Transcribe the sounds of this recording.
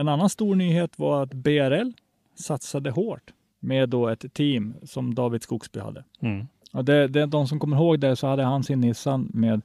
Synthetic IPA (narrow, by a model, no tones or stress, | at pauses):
ɛnanːanst̪uːɾɳyːheːt̪va̰ɾat̪beæɾɛlː | sat̪sad̪əɦoːʈ | meːd̪ːoːɛt̪ʰːiːmsɔmd̪ɑːvɪd̪skuːksby̰ːha̰d̪ːə̰ | ɔd̪ɛd̪ɛd̪ɔms̬ɔmkʰɔmːəɾɦoːɡd̪ɛsɔhad̪ːəɦansɪnːɪsanmeːd̪